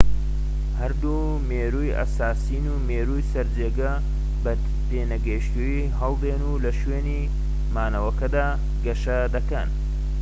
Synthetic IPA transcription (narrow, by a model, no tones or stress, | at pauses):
hɐɾd̪u | meːɾujɐ̰saːsiːnumeːɾujsɐɾd͡ʒeːɡɐ | b | t̪eːnɐɡɐʃt̪uji | ɦɐlˠd̪eːnuːlɐʃweːni | maːnɐwɐkɐd̪aː | ɡɐʃɐd̪ɐkɐn